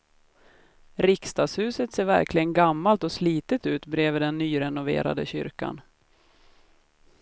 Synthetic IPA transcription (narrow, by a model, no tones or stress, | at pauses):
ɾɪkst̪ɑːɡshʉ̟ːsət̪seːɾvæ̰ɾklɪɡənɡamːalt̪ɔsliːt̪ət̪ʉ̟ːt̪bɾeːvəd̪ɛnːyːɾɛnʊvḛːɾa̰d̪əɕʏ̰ɾka̰n